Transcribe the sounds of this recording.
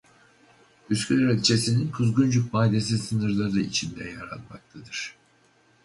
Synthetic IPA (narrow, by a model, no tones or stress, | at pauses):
yskʲylɾɛlʲt͡ʃʰe̞sininkʰuzɡund͡ʒuk̚maːd̪e̞s̬isɯnɯɾlˠaɾɯit͡ʃʰind̪ɛjaɾa̰t̪mak̚t̪ʰad̪ɯɾ̥